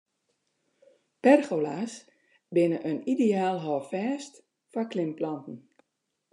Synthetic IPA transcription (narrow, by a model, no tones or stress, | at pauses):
pɛrxolas | bɪnəʔənideaːlˠɦɔːfɛːst | faklɪmplɔntn̩